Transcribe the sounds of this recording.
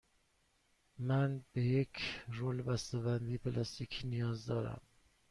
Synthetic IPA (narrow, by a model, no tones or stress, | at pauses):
mænbejekʰrolbæst̪ebænd̪iːpʰelɑst̪ikʰiːnijɒːzd̪ɒːɾæ̰m